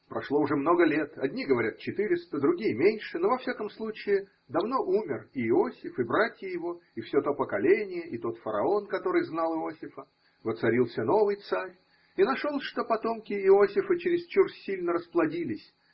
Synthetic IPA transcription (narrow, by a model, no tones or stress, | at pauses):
pɾɐʂlˠo̞ʊʐɛmno̞ɡəlʲe̞t̪ɐd̪ʲnʲiɡəvɐɾʲat̪̚t͡ɕɪt̪ɨɾʲɪst̪əd̪ɾʊɡʲijəmʲenʲʂɨno̞vɐfsʲakəmslˠut͡ɕɪɪ | d̪ɐvno̞ʔumʲɪrɪːo̞sʲɪfɨbɾatʲjəjɪvo̞ɪfsʲot̪o̞pəkɐlʲenʲɪjəʔɪt̪o̞t̪fəɾɐ̰o̞nkɐt̪o̞ɾɨjznɑlˠɪo̞sʲɪfə | vət̪sɐɾʲilˠsʲəno̞vɨjt̪saɾʲ | inɐʂolˠʂt̪o̞pɐt̪o̞mkʲɪɪo̞sʲɪfət͡ɕɪɾʲɪst͡ɕursʲsʲːilʲnəɾəsplˠɐdʲilʲɪsʲ